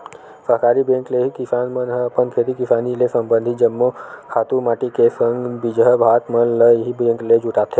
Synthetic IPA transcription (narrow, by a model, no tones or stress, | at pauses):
fəɦkaːɾibẽŋkleɦikisaːnmənɦəpənkʰet̪ikisaːnilesəmbənd̪ʱid͡ʒəmːokʰaːt̪umaːʈikesəŋɡbid͡ʒɦəbʱaːt̪məlləjɦibẽŋkled͡ʒuʈaːp̚t̪ʰe